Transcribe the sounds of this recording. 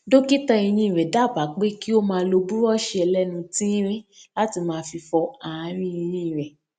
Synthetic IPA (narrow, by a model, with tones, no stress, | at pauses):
do˦ki˦ta˧i˧j̃ĩ˦i˨ɾɛ˨da˨˦˨ba˨˦k͡pe˦ki˦o˦mãː˧˦˧lo˧bu˦ɾɔ˦ʃe˧ɛ˧lɛ˦nũ˧tĩ˦ɾ̃ĩ˦la˦ti˧mãː˧fi˧fɔ˧a˨ã˧˦ɾ̃ĩ˦ĩ˧j̃ĩ˧˦i˨ɾɛ˨